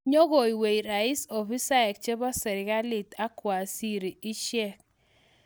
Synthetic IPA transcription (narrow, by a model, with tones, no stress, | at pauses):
ɲo˦ɣo˨i˨we˨i˨ɾa˨i˦so˨fi˦sa˦ɛ˨k̚t͡ʃe˦bɔ˦sɛ˨ɾɪ˨ɡa˦li˨ta˦kwa˨si˦ɾi˨i˦ʃjɛ˦k̚